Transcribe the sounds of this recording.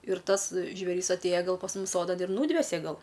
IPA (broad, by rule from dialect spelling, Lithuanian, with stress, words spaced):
ɪr ˈtɐs ʒʲʋʲeːˈrʲɪs ɐtʲˈeːjɛ ˈɡɐlˠ pɐs ˈmʊm ˈsoːdɐn ɪr ˈnuːdʲʋʲɛsʲɛ ˈɡɐlˠ